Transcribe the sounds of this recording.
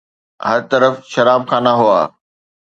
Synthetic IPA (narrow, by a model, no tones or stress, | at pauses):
ɦɐɾt̪ɐɾəfʃɐɾaːbxʰãːnaɦʊa̰ː